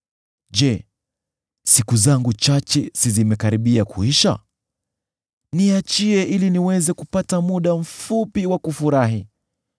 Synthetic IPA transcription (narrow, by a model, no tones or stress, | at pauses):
ʄɛ | sikuzaŋɡut͡ʃat͡ʃɛsizimɛkaɾiɓiakʰṵiʃa̰ | niat͡ʃiɛʔiliniwɛzɛkupatamuɗam̩fupiwakufuɾaɦi